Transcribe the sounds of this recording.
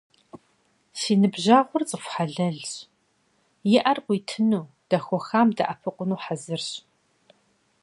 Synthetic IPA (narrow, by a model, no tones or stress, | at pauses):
siːnɨbʑaːʁʷʊrt͡sʼəfʷħaɮɐɮɕ | jɪʔɐrqʷiːtʰɨnuː | d̥ɐxʷɔxaːmdɐ̰ʔapʰɨqʷʼʊnuːħazɨrɕ